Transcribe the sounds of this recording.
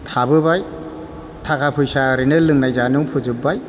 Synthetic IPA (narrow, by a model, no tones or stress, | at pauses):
tʰabɯbaj | tʰakʰapʰɯjsaɾinɯlɯŋnajzanuŋpʰɯzɯp̚baj